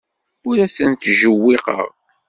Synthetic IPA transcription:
ʊɾæsənt̪ʒəwːiqə̰ʁ

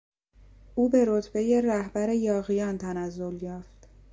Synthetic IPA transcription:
ʔuːbe̞ɾot̪ʰbe̞je̞ræhbæɾe̞jɒːɣijɒːnt̪ʰænæzːo̞ljɒːft̪

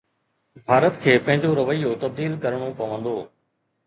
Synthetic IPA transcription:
bʱaːɾət̪kʰeːpɐ̃ɦɪ̃ɲd͡ʑoɾɐʋəijot̪ɐb̚d̪iːlkɐɾəɽ̃opɐʋə̃nd̪oː

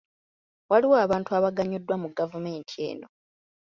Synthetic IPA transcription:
waliwaːβaːntuaβaɡaɲːodːwamuɡavume̞ːntʰie̞ːno̞̰

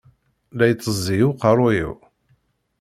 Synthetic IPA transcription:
læjt͡sˤːəzˤːijuqɑrˤʊjḭw

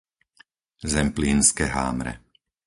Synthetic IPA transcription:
zɛmpliːnskɛɦa̰ːmɾɛ̰

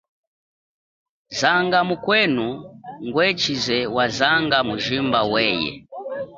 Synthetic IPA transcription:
zaŋɡamukwɛnuŋɡwɛt͡ʃizɛwazaŋɡamuʒimbawɛjɛ̰

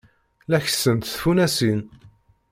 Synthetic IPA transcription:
læç̥sənt̪θfunæsin

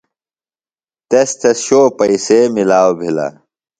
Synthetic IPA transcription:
t̪est̪ʰesɕoːpɐisemilaːwbʱila̰

